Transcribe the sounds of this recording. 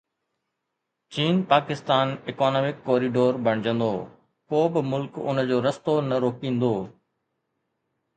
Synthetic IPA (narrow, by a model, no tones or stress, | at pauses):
t͡ɕiːnpaːkɪst̪aːnɪkɔːnoːmɪkːoːɾiɖoːɾbɐɽ̃ɪd͡ʑə̃nd̪o̰ː | poːbɪmʊlkʊ̰nə̆d͡ʑoːɾɐst̪onɐɾoːkĩːn̆d̪oː